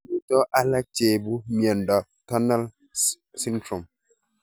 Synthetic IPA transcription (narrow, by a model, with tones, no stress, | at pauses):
mi˦tɔ˦ʔa˦lɛ˦t͡ʃe˨bu˦mjɛ˨ndɔ˨ | tɔ˦na˦l | si˦ntɾo˨m